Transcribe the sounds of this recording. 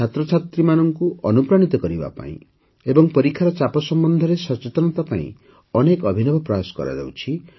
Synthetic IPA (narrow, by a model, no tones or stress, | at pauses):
t͡ʃʰat̪ɾɔt͡ʃʰat̪ɾimanɔŋkuɔnupɾaɽ̃it̪ɔkɔɾiba̰pa̰ḭ̃ | ebɔŋpɔɾikʰːaɾɔt͡ʃapɔsɔmbɔnd̪ʱɔɾesɔt͡ʃet̪ɔnɔt̪apaḭ̃ | ɔnekɔbʱinɔbʱɔpɾɔasɔ̥kɔ̰ɾa̰d͡ʒa̰wt͡ʃʰi